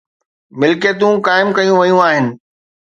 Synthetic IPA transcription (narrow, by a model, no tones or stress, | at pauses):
mɪlkeːt̪ũkaːɪmkɐjũʋɐjũaːɦɪnɪ̆